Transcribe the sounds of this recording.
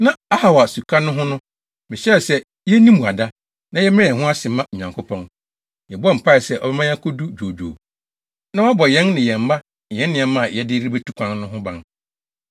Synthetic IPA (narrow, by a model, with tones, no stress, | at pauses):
nã˦a˦ha˨wa˨su˨kʰa˦nʊ̃˦ɦʊ̃˦nʊ̃˦ | mɪ̃˨ɕɛ˦ɛ˨sɛ˦ | jɛ˦nĩ˦mũ˨a˨da˦ | nã˦jɛ˦mɪ̃˦ɛ̃˨ɦʊ̃˦a˦sɪ˨˦mã˦˨ɲ˨ã˨ŋkʊ˦pʰɔ̃˦n | jɛ˨bɔ˦˨m̩˨pʰa˦˨ɛ˨sɛ˦ʔɔ̰˨bɛ˦mã˦jã˦kʰo˦du˦d͡ʑᶣo˨d͡ʑᶣo̰ː˨ | nã˦a˦bɔ˨jɛ̃˦nnɪ̃˨jɛ̃˨m̩˨˦ma˦˨ | jɛ̃˦nnːɪ̃˨ɛ˨mã˦˨jɛ˨dɪ˦ɾi˦be˦tʰu˦kʷʰã˦nnʊ̃˦ɦʊ̃˦bã˦n